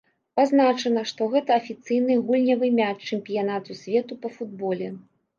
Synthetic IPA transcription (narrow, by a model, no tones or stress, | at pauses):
paznat͡ʂɐnɐʂt̪ɔɣɛt̪ɐɐfʲit̪sɨjnɨɣulʲnʲɐvɨmʲat͡ʂɛmʲpʲijan̪at̪usʲvʲɛt̪upɐfud̪̚bɔlʲɛ